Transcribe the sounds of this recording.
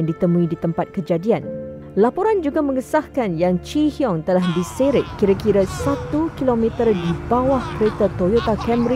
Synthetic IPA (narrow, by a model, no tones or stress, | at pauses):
ŋdit̪əmũĩdit̪əmpat̪̚kəd͡ʒadian | lapoɾand͡ʒuɡamə̃ŋəsahkanjaŋt͡ʃihiɔŋt̪əlahdiseɾɪʔkːiɾakiɾəsat̪ukilomɛ̃t̪ərdibawahkəɾet̪at̪ojot̪akɛmɾi